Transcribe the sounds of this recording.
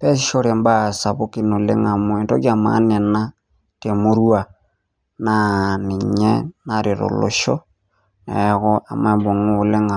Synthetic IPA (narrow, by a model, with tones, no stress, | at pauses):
pɛ˦s̬i˦ʃo˦ɾe˨mba˦sa˨βo˦ki˦no˨le˦ŋa˨mwe˨nto˦kja˨ma̰˦nɛ˨na˦ | te˨mu˦ɾwa˨ | na˦ni˨ɲɛ˦na˦ɾi˨ɾo̰˨lo̰˨ʃɔ˦ | nɛ̰˨ɣɔ˦a̰˨mwɛ˦bo˨ŋu˦˨le˦ŋa˨